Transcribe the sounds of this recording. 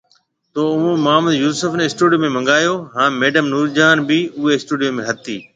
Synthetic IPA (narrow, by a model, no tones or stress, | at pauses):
t̪oːʊmũːmaːməd̪juːsʊfneɪsʈuːɖijoːmẽmɐ̃ŋɡaːjoːɦãːmeːɖəmnuːɾd͡ʒaːnbiʊɦeɪsʈuːɖijoːmẽɦɐt̪iː